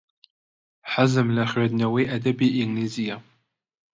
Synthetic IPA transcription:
ħazɨmlaχʲʕadnawiʔadabiʔiŋnizija

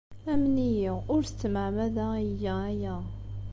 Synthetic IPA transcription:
æmnijiʁʊɾst͡s̪ːməʕmæðæəjææjæ

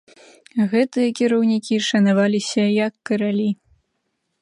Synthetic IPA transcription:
ɣɛt̪ɨjɐkʲiɾɐwnʲikʲiʂɐnavalʲisʲɐjɐkːɐɾalʲi

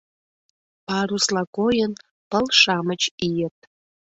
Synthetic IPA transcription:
pɑɾuslɑkojən | pəlʃɑmət͡ɕijət̪̚

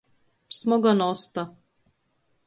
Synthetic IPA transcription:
smɔɡanɔst̪a

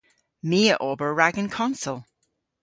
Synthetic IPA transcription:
miːəʔobə˞ɹaɡə̃nkʰɔ̃nsəlˠ

